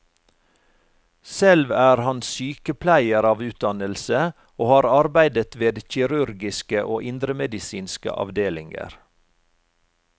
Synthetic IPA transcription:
sɛlʋæːɾhɑnsyːkəpʰlæɪəɾɑːʋʉːt̪̚d̪ɑnəlsə | oːhɑːɾɑɾbæɪd̪ət̪ʋeːd̪çɪɾʉɾɡɪskəʔoːʔɪnd̪ɾəmɛd̪ɪsiːnskə̰ʔɑ̰ʋd̪eːlɪŋɡə̰ɾ

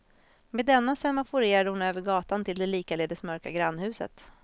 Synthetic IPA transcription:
meːd̪ːɛnːasɛmafʊɾeːɾad̪əhʊnøːvəɾɡɑːt̪ant̪ʰɪld̪ɛliːkaleːd̪əsmœɾkaɡɾanːhʉ̟ːsə̰t̪

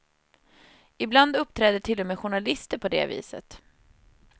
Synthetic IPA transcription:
ɪbland̪ɵpːt̪ʰɾɛːd̪ət̪ʰɪlːɔmeːɧʊɳalɪst̪əɾpʰɔd̪ḛːvḭːsə̰t̪

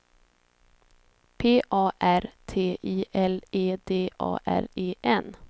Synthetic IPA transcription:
pʰeːʔɑːʔæɾt̪ʰeːʔiːʔɛleːd̪eːʔɑ̰ːʔæ̰ɾeːʔɛn

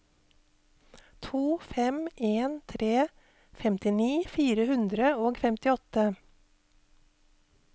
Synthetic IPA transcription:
t̪ʰuːfɛmʔeːnt̪ʰɾeː | fɛmt̪ɪniːfiːɾəhʉnd̪ɾəoːɡfɛmt̪ɪɔt̪ə

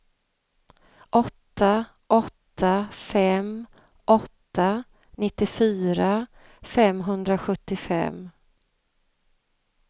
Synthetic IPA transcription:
ʔɔt̪ːa | ʔɔt̪ʰːafɛm | ʔɔt̪ːa | nɪt̪ːɪfyːɾa | fɛmɦɵnd̪ɾaɧɵt̪ːɪfɛ̰m

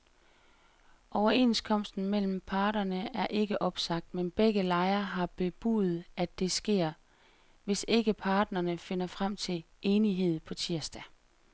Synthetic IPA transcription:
ʔɒʊɐe̝ːnskʰɒ̽m̰sd̥n̩mel̰m̩pʰɑ̈ːɾɐnəæɐʔe̝ɡ̥əʔɒ̽b̥sɑ̈ɡ̥̚d̥menb̥eɡ̥əlɑ̈ɪɐɦɑ̈b̥e̝b̥ṵːð̩ˠæd̥e̝sɡ̥e̝̰ːɐ̰ | ʋe̝se̝ɡ̥əpʰɑ̈ːd̥nɐnəfe̝nɐfʁam̰t͡sʰe̝l | ʔeːniɦe̝ð̰ˠpʰɒ̽t͡sʰiɐsd̥æ

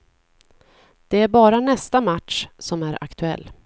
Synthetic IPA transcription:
d̪̥ɛæɾbɑːɾanɛst̪amaʈʂsɔmæɾʔa̰kt̪ʰɵɛ̰lː

